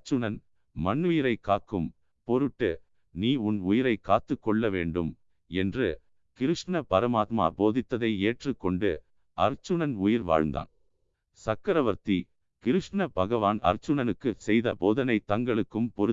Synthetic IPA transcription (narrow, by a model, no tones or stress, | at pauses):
t͡ʃːɯnɐn | mɐɳːʊjɪɾɐɪkːaːkːɯm | pɔɾɯʈːɯ | niːʊnʊjɪɾɐɪkːaːt̪ːɯkːɔɭːɐʋḛːɳɖɯm | ɛndrɯ | kɪɾɯʂnɐbɐɾɐmaːt̪ma̰ːboːðɪt̪ːɐðɐɪeːʈrɯkːɔɳɖɯ | ɐ̰ɾt͡ʃːɯnɐnʊjɪɾʋa̰ːɻnd̪a̰ːn | sɐkːɐɾɐʋɐɾt̪i | kɪɾɯʂʈnɐbɐɣɐʋaːnɐ̰ɾt͡ʃːɯnɐnɯkːɯsɛjðɐ̰boːðɐnɐɪt̪ɐŋɡɐɭɯkːɯmpɔɾ